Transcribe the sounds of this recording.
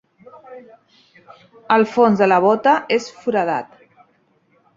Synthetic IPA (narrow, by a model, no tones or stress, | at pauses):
əlˠfonzðələβ̞ɔt̪əesfuɾəða̰t̪